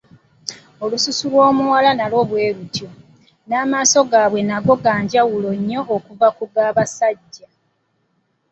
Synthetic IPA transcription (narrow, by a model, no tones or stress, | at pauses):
o̞lususulwo̞ːmuwalanalo̞βwe̞ːɾutjo̞ | naːmaːso̞ɡaːβwe̞naɡo̞ɡaːɲɟawulo̞ɲːo̞ʔːkuvakuɡaːβasaɟːa